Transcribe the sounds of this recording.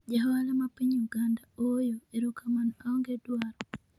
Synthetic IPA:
d͡ʒaɦalamapiɲuɡandaojoeɾukʰamanaɔŋɡedwaɾɔ

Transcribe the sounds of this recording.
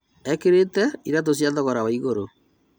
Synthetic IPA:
ɛkeɾetɛiɾat̬os̬jaðɔɣɔɾawaiɣoɾo

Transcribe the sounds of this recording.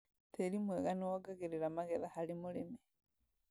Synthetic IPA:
teɾimweɣanoaɡaɣeɾeɾamaɣeðahalimʊɾeme

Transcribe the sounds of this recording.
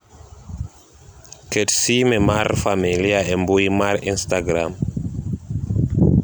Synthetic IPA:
ketsimemaɾfamiliaembujmaɾinstaɡɾam

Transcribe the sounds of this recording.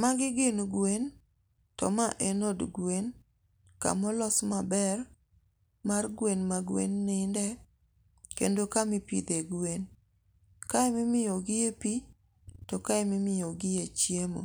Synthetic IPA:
maɡɪɡɪnɡwen | tɔ̰maʔenodɡwen | ka̰mɔlɔsmabɛr | marɡwenmaɡwḛnːɪndɛ | kḛndokamɪpḭd̪eɡwen | kaɛmɪmɪjɔɡɪjepi | tɔkaɛmɪmɪjɔɡɪjet͡ʃjemo̰

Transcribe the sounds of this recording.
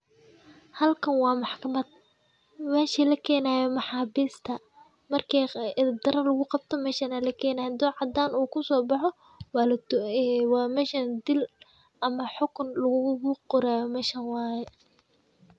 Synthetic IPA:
hɐlkʰɐnwɑːmɑħkʰɐmɐd̪̥̚ | mɛːʃilɐkʰɛːnaːjɔmɑħɑːbiːst̪ʰɐ | mɐrkʰid̪ɐɾɐlɐɣʊqɑb̚t̪ʰɔmɛːʃɐnɐlɐkʰɛːnaːjd̪ɔʕɑd̪aːnuːkʰʊsɔːbɑħɔ | wɑlː | wɑːmɛːʃɐnd̪ɪl | ɐmɐħʊkʰʊnlɐɣʊqɔɾaːjɔmɛːʃɐnwɑːjɛ

